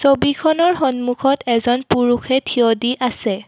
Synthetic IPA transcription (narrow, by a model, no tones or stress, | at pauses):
sobikʰɔnɔɹxɔnmukʰɔtɛzɔnpuɹuxʰɛtʰiodiʔasɛ